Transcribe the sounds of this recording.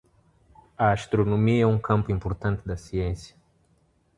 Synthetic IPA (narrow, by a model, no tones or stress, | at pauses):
ɐaʃt̪ɾonõmiɛũkʰɐ̃mpʊĩmpoɾt̪ɐ̃nt̪ɪd̪ɐsiẽsjɐ